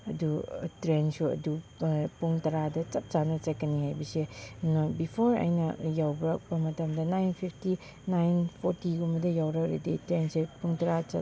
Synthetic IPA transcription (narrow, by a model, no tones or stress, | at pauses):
ɐdutɾensuɐ̰dupuŋtɐɾadɐt͡ʃɐp̚t͡ʃanɐt͡ʃɐkːɐnihajbɐsenobipʰoɾɐ̰jnɐjawbɾɐk̚bɐmɐtɐmdɐnajnpʰipʰti | najnpʰoɾtiɡumbɐdɐjawɾɐkɾḛditɾensepuŋtɐɾat͡ʃɐ